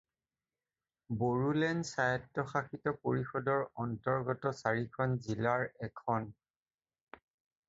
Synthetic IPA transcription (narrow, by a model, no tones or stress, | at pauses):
boɹulɛnsajɔtːɔxaxitɔpoɹixɔdɔɹɔntɔɹɡɔtɔsaɹikʰɔnzilaɹɛkʰɔn